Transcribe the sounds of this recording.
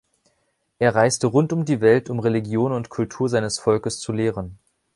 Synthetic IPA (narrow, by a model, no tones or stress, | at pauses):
ʔeːɐʁaɪstəʁʊntʊmdiːvɛltʊmʁeliɡjoːnʊntkʰʊltʰuːɐzaɪnəsfɔlkəst͡suleːʁən